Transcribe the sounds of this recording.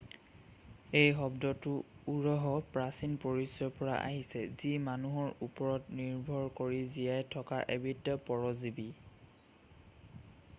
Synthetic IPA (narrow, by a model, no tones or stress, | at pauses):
ejɦɔbdɔtʊuɹɔɦɔpɹasinpoɹisjɔpɔɹa̰ʔa̰ɦisɛzimanuɦɔɹupɔɹɔtniɹbʱɔɹkoɹizijajtʰɔkaʔebitːɔpɔɹɔzibi